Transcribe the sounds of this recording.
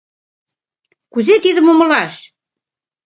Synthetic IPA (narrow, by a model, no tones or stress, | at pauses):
kuzet̪iðə̆momɤ̆lɑʃ